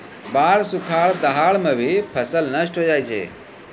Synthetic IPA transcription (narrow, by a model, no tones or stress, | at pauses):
baːɾsʊkʰaːɭd̪əɦaːɭmẽbʱipʰəsəlnəsʈɦod͡ʒaːit͡ʃʰḛː